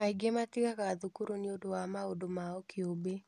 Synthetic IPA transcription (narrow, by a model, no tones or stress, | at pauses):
aiɡematɪkakaðukuɾoniodowamaodomaɔkʰɪobe